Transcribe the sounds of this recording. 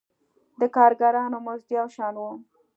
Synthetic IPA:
d̪əkɑɾɡaɾɑnomʊzd̪jɑwʃɑnwum

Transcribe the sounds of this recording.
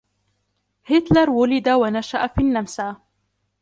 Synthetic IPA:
hɪt̪lɑɾˤwʊlɪd̪awanaʃaʔafiːnːamsaː

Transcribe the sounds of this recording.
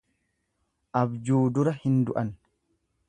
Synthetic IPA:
ʔɐbd͡ʒuːd̪ʊɾɐhɪnd̪ʊʔɐn

